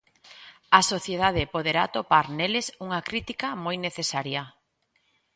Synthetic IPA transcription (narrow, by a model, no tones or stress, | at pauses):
ɐsoθjeðað̞epoð̞eɾa̰t̪opaɾnelesuŋakɾit̪ikamojneθesaɾja